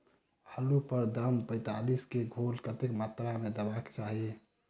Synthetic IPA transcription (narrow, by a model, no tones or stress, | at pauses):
həlupəɾd̪əmpə̃ɪt̪aliskeɡʱolkət̪ekmat̪ɾamed̪əbakt͡ʃaɦi